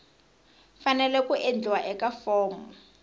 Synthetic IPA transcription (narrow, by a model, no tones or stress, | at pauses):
fanɛlɛkuʔend͡ɮwaʔɛkafɔːmɔ